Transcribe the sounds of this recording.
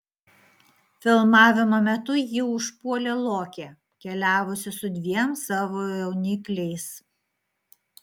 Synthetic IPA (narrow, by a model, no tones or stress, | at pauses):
fʲɪlˠmɑːʋʲɪmomʲɛt̪ʊjɪʊʃpuɔlʲeːlˠoːkʲe | kʲɛlʲæːʋʊsʲɪsʊd̪ʲʋʲiɛmsɑːʋoːjɛʊnʲɪklʲɛɪs